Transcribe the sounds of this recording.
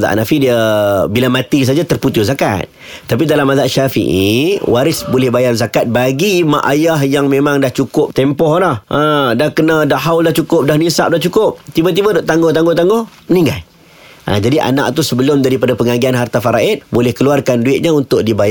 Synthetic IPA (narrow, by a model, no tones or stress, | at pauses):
ða̰ʔnafidiəbilamãt̪is̬ad͡ʒat̪ərput̪ʊzaka̰t̪̚ | t̪apidalamːaðaʔʃafḭʔiwaɾɪsbolɪhbajarzakat̪̚baɡima̰ʔajaɦjaŋmemãŋdaht͡ʃukʊp̚t̪ɛmpɔhlahədahkənədaʔɦawldaht͡ʃukʊp̚dahnisa̰p̚daht͡ʃukʊp̚t̪ibat̪ibadoʔt̪aŋɡot̪aŋɡot̪aŋɡoh | əniŋɡa̰j | ʔa̰d͡ʒadiʔa̰na̰ʔt̪usəbəlʊmdaɾipadapəŋaɡianɦart̪afaɾaʔɪt̪̚bolɛhkəluarkanduɪt̪̚ɲaunt̪ʊʔ̚dibaj